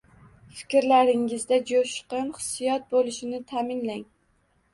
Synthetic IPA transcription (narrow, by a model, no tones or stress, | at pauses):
fɪ̥kʲɾlaɾɪŋɪzd̪ad͡ʒoʃqɨnχɨ̥sːijɒt̪̚bolˠɪʃɪnɪt̪ʰamɪnlaŋ